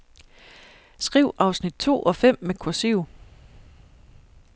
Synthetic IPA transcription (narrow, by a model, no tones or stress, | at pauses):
sɡ̥ʁiʊ̰ʔɑ̈ʊsnid̥̚t͡sʰo̝̰ːʔɒ̽fem̰mekʰuɐsiʊ